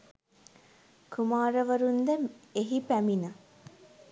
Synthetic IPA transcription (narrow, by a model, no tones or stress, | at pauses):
kʰumaːɾəʋəɾund̪əeɦipæminə